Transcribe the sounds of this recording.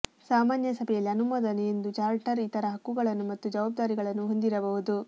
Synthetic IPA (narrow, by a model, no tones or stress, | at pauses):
saːmaːnjɐsɐbʱɛjɐlːiɐnumɐːd̪ɐneend̪ut͡ʃaːɾʈɐɾit̪ɐɾɐɦɐkːuɡɐɭɐnːumɐt̪ːud͡ʒɐʋaːb̚d̪aːɾiɡɐɭɐnːuɦo̞nd̪iɾɐbɐɦud̪u